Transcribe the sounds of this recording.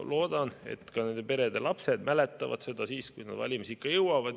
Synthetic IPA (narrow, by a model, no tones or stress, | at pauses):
lo̞ːd̪̥ɑnḛt̪kɑne̞nd̪̥e̞pe̞ɾe̞d̪e̞lɑpse̞d̪̥mælet̪ːˑɑvɑ̰d̪̥se̞d̪̥ɑsiːskujnɑd̪vɑ̰lʲimisikːˑɑjɤwɑvɑd̪